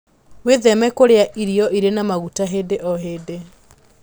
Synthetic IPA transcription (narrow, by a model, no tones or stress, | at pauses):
weðɛmɛkoɾeaʔiɾiɔʔiɾenamaɣutaɦedeʔɔɦeːde